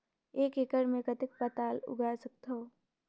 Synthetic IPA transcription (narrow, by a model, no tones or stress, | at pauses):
eːkekəɾmẽkət̪ɪk̚pɐt̪aːlʊ̰ɡaːɾsɐk̚t̪oː